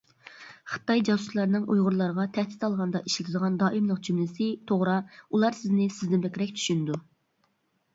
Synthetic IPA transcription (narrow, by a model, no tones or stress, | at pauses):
χə̥ɨ̥t̪ɑjd͡ʒɑsu̥slˠɑɾnɨŋʔujʁʊɾlˠɑɾəʁɑt̪ʰɛhd̪ɪ̥t̪ɑlˠʁɑnd̪ɑ̰ʔiʃlɪt̪ʰɪd̪əʁɑnd̪ɑːʔimlˠəq̚d͡ʒymlɪsɪt̪ʰoʁɾɑulˠɑɾsɪznɪsɪzd̪ɪnbɛkʲɾɛk̚ʲt͡ʃ̪ʰy̥ʃynɪd̪u